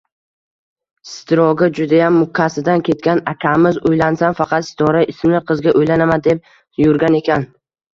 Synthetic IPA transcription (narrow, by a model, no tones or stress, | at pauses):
sɪt̪ʰɪɾɒɡʲɪd͡ʒʊd̪ajamːʊkʲʰːasɪd̪ankʲʰe̞t̪̚kʲanakʲʰamɪzojlansamfɑqʰɑt̪sɪ̥t̪ʰɒɾaɪsmlɪqʰɨzɡʲaʔojlanamand̪e̞p̚ | jʊɾɡʲane̞kʲan